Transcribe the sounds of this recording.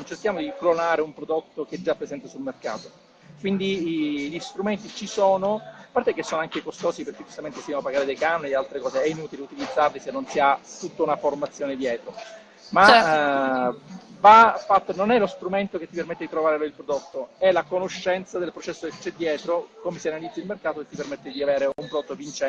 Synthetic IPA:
nt͡ʃerk̟jaːmod̪iklonaːɾeumpɾod̪ot̪ːok̟ɛd͡ʒːapːɾesɛnt̪esulmerka̰ːt̪o | kwind̪iʎist̪ɾument̪it͡ʃisoːnoapːart̪ekːesːoːnoaŋkekost̪ɔːsiperk̟ed͡ʒust̪ament̪efinoapːaɡaːɾed̪ejkanonid̪alt̪ɾekɔːseɛinut̪ileut̪ilid̪zːarlisenːonsiat̪ːut̪ːounaformat̪sːjoːned̪jɛːt̪ɾo | ma | vafat̪ːononɛlost̪ɾument̪oket̪ːipermet̪ːed̪it̪ɾovaːɾeloilpɾod̪ot̪ːoɛlakonoʃːɛnt̪sad̪elpɾot͡ʃɛsːoket͡ʃːɛd̪ːjɛːt̪ɾokomesianalid̪zailmerkaːt̪ot̪ːipermet̪ːed̪iaveːɾeumpɾd̪ot̪ːovint͡ʃɛ

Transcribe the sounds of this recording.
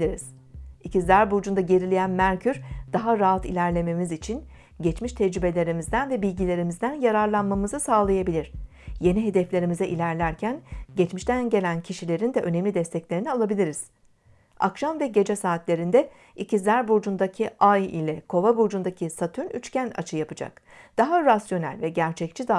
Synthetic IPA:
iɾiz̥ | icizlʲæɾbuɾd͡ʒund̪aɟe̞ɾilʲejænmæɾcʰyɾd̪̥aɦaɾaɦat̪ilʲæɾlʲe̞me̞mizit͡ʃʰin | ɟɛt͡ʃmiʃt̪ʰɛd͡ʒɾybe̞lʲe̞ɾimizd̪ænvɛbilʲɟilʲe̞ɾimizd̪ænjaɾaɾlˠanmamɯzɯsaːlˠajabilʲiɾ̥ | je̞niɦe̞d̪ɛflʲe̞ɾimizɛʔilʲæɾlʲæɾcʰænɟɛt͡ʃmiʃt̪ænɟe̞lʲæncʰiʃilʲe̞ɾind̪ɛʔø̞nemlʲid̪ɛst̪ʰɛclʲe̞ɾinialˠabilʲiɾiz̥ | a̰kʃamvɛɟe̞d͡ʒɛsaːt̪lʲe̞ɾind̪ɛ | icʰizæɾbuɾd͡ʒund̪acʰiʔajḭlʲɛkʰo̞vabuɾd͡ʒund̪acʰisat̪ʰynyt͡ʃcæna̰t͡ʃʰɯjapɯd͡ʒa̰k | d̪̥aɦaɾasjo̞næ̰lʲvɛɟæɾt͡ʃʰɛc̚t͡ʃʰid̪a

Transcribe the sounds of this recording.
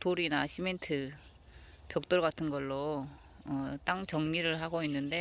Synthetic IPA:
toɾinaɕʰime̞ntʰɯ | pjʌk̚t͈oɭɡatʰɯnɡʌɭːo | ʌt͈aŋt͡ɕʌŋɲiɾɯɭɦaɡoinːɯnde̞

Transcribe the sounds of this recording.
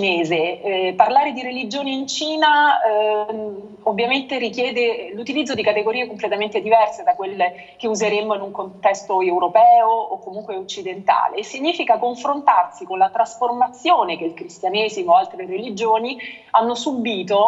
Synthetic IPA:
t͡ʃineːzeparlaːɾed̪iɾelid͡ʒoːniint͡ʃiːna | ovːjament̪eɾikjɛːd̪elut̪ilid̪zːod̪ikat̪eɡoɾiːekomplet̪ament̪ed̪ivɛrsed̪akwelːe | k̟euzeɾemoinuŋkont̪ɛst̪oewɾopɛːoːkːomuŋkweot͡ʃːid̪ent̪a̰ːlesiɲːiːfikakoɱfɾont̪arsikonlat̪ɾasformat̪sːjoːnek̟eilkɾist̪janeːzimoalt̪ɾerelid͡ʒoːni | anːosubiːt̪o

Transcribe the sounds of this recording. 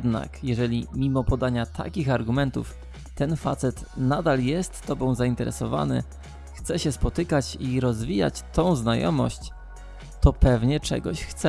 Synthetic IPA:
d̪na̰kjɛʐɛlʲimʲimɔpɔd̪aɲat̪ʰa̰kʲixaɾɡumɛnt̪ṵf | t̪ɛnfat̪sɛt̪nad̪aljɛst̪ːɔbɔ̃w̃zaint̪ɛɾʔɛ̰sɔva̰nɘ̰ | xt̪sɛɕɛspɔt̪ɘkat͡ɕiɾɔzvʲija̰t͡ɕt̪ɔ̃w̃znajɔ̰mɔɕt͡ɕ | t̪ɔpɛvɲɛt͡ʂɛ̰ɡɔɕxt̪sɛ

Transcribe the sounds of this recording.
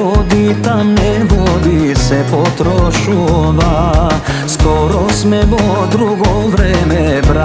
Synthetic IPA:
ɔd̪it̪amnɛvɔd̪isɛpɔt̪ɾɔʃuva | skɔɾɔsmɛʋɔ | d̪ɾuɡɔvɾɛmɛbɾa

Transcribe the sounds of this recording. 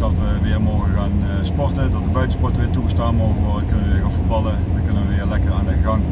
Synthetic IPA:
dɑtʋəʋɪːɹmoɣəɣaːn | spɔrtədɑt̚dəbœɥtəspɔɹtəʋɪːtuɣəstaːnmoːɣənʋɔɹdəkɵnəʋəʋɪːɹɣaːnfud̚bɑlˠədəkɵnəʋəʋɪːɹlɛkəraːndəɣɑŋ

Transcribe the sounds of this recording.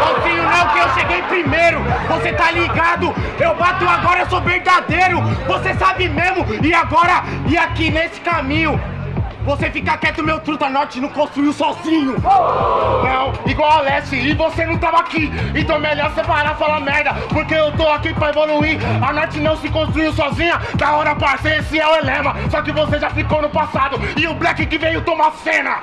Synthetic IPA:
sɔzĩɲʊnɐ̃w̃kɪewʃeɡejpɾimejɾʊvoset̪aliɡad̪ʊewbat̪ʊaɡɔɾɐewsoveɾd̪ad̪ejɾʊvosesabɪmezmʊɪaɡɔɾɐiakinesɪ̥kamĩɲʊvosefikakɛt̪ʊʊmewt̪ɾut̪anot͡ʃɪnɐ̃w̃kõst̪ɾuiʊsɔzĩɲʊ | nɐ̃w̃iɡwawalɛst͡ʃɪːvosenɐ̃w̃t̪avɐakiẽt̪õwɛmeʎɔɾsepaɾafalamɛɾd̪ɐ | poɾkeewt̪oakipɾɐevoluiɾanot͡ʃɪnɐ̃w̃sɪkõst̪ɾuiwsɔzĩɲɐd̪aɔɾɐpaɾsesĩɛwelẽmɐsɔkɪvoseʒafikownʊpasad̪ʊɪʊblɛkɪkɪvejʊt̪õmasẽnɐ

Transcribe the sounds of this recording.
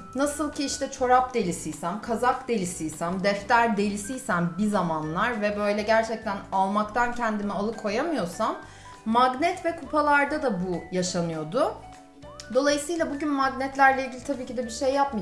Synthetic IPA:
nasɯlˠcʰiiʃt̪ʰɛt͡ʃʰo̞ɾap̚d̪e̞lʲisijsæmkʰazakd̪e̞lʲisijsæmd̪ɛft̪ʰæɾd̪e̞lʲisijsænbizamanlˠaɾvɛbø̞jlʲɛɟæɾt͡ʃʰɛc̚t̪ʰænalˠmakt̪ʰancʰɛnd̪imialˠɯkʰo̞jamɯjo̞samː | aɡnɛt̪vɛkʰupʰalˠaɾd̪ad̪abujaʃanɯjo̞d̪ʊ | d̪o̞lˠajɯsɯːjlˠabuɟynmaɡnɛt̪lʲæɾlʲɛilɡɟilʲit̪ʰabiːcid̪ɛbiɾʃejːap̚ma

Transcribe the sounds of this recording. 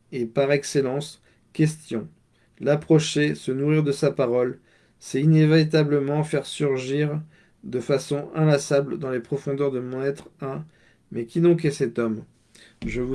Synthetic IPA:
epaʁɛkselɑ̃s | kʲɛst̪jɔ̃ | lapχɔʃesənuʁiʁd̪əsapaʁɔl | sɛinevaʁit̪̬abləmɑ̃fɛʁsyʁʒiʁ | d̪əfasɔ̃ʔɛ̃lasabld̪ɑ̃lepχɔfɔ̃d̪œʁd̪əmɔ̃nɛt̪χɛ̃ | mɛkʲinɔ̃kɛsɛt̪ɔm | ʒəvu

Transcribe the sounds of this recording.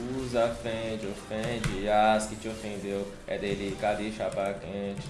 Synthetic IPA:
uzafẽd͡ʒofɛ̃d͡ʒijaskit͡ʃofẽd̪eo | ɛ̰d̪elikad̪iʃapakẽt͡ʃʰ

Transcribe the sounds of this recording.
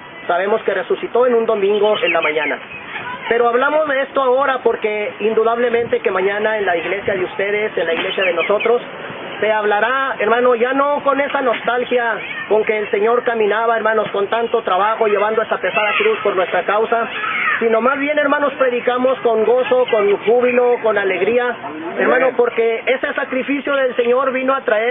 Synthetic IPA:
saβe̞mo̞ske̞re̞susit̪o̞e̞nũnd̪o̞mĩŋɡo̞ʔe̞nlamãɲãna | pe̞ɾo̞aβlamo̞zðe̞e̞st̪oao̞ɾapo̞ɾke̞ind̪uðaβ̞le̞mẽnt̪e̞ke̞mãɲãnaenlaiɣle̞sjaðeust̪e̞ð̞e̞se̞nlaiɣle̞sjaðe̞no̞so̞t̪ɾo̞sː | e̞aβlaɾaeɾmãno̞ʝano̞ko̞ne̞sano̞st̪alxjako̞ŋke̞ːlse̞ɲo̞ɾkamĩnaβaeɾmãno̞sko̞nt̪ant̪o̞t̪ɾaβaxo̞ʝe̞βand̪oe̞sape̞saðakɾuspo̞ɾnwe̞st̪ɾakawsasino̞mazβje̞ne̞ɾmãno̞spɾe̞ðikamo̞sko̞ŋɡo̞so̞ko̞nxuβilo̞ko̞nale̞ɣɾiaeɾmãnopo̞ɾke̞e̞se̞sakɾifisjo̞ðelse̞ɲo̞ɾβino̞at̪ɾae

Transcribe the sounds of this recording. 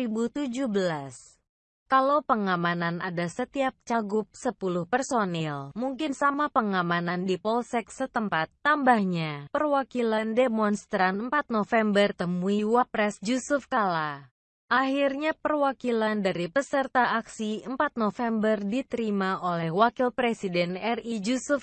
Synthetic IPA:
ibut̪ud͡ʒuhbəlas | kalopəŋamananadasət̪iap̚t͡ʃaɡʊp̚səpulʊhpərsonɛlmuŋkɪnsamapəŋamanandipɔlsɛksət̪əmpat̪ːambahɲapərwakilandemɔnst̪ɾanəmpat̪̚nofɛmbərt̪əmuiwapɾɛsd͡ʒusufkala | ʔahirɲapərwakilandaɾipəsərt̪aʔːksiəmpat̪̚nofɛmbərdit̪əɾimaʔolɛhwakilpɾesidɛnɛrid͡ʒusuf

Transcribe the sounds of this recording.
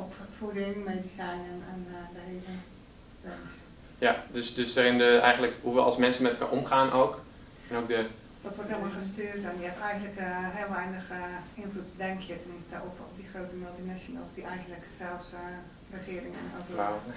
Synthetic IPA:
opfudɪŋmedisɛjnnɛndəheːvə | brɛns | jadøsdøsdaːrɪndəɛ̰jɣənləkhuʋəɔ̰lˠsmɛnsənmɛtəlka̰ʔomχaːnʔoːk | ɛnok̚də | d̥ɔtʋɔtheəlˠmɔlˠxəstøːtɛnjəɛpɛjɣən̩tləkɦɪːlˠʋɛjnəxɪnflutdɛŋkʰjətɛmɪnstdə̰ofɔpdixrowtəmɪlˠtinasjona̰lˠsdiʔɛjɣən̩tləksɛlˠfs | rəxɪərɪŋə̰nhat

